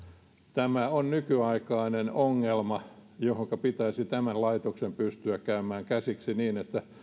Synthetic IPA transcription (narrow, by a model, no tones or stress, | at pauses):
t̪æmæonnykyɑikɑinenoŋːelmɑjohoŋkɑpit̪æisit̪æmænlɑit̪oksempyst̪yækkæymæːŋkæsiksiniːnet̪ːæ